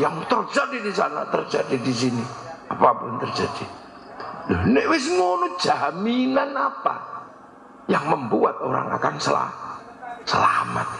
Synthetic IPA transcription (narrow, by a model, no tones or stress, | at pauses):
jaŋt̪ərd͡ʒadidisana̰t̪ərd͡ʒadidis̬iniapapʊnt̪ərd͡ʒadi | dɔhnɪʔwɪsŋonʊ̥d͡ʒ̥aminanapa̰ | jaŋməmbuat̪̚o̰ɾa̰ŋa̰kansəla̰ | səlama̰t̪̚